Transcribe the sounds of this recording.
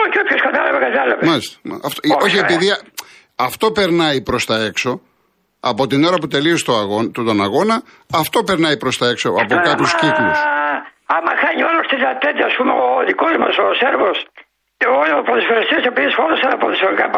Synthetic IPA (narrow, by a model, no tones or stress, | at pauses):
oçopçoskɐt̪ɐlɐvekɐt̪ɐlɐvemɐlist̪e̥ɐft̪o̞çiepiði | ɐft̪o̞pe̞ɾnɐjpɾo̞st̪ɐe̞kso̞ | ɐpo̞t̪ino̞ɾɐput̪e̞liost̪oɐɣot̪ut̪o̞nɐɣo̞nɐ | ɐft̪o̞pe̞ɾnɐjpɾo̞st̪ɐe̞kso̞ɐpokɐpusciklus | ɐmɐxɐɲiolost̪izɐt̪et̪ɐːspumeoðikozmɐsoseɾvos | opɾoðisfoɾist̪iɐsepiðisfonɐsɐnɐpɾoðisfoɾikɐp